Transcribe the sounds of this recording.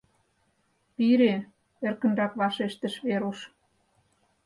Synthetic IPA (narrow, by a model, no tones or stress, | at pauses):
piɾe | erkə̆nrɑkβɑʃeʃt̪ə̆ʃβeɾuʃ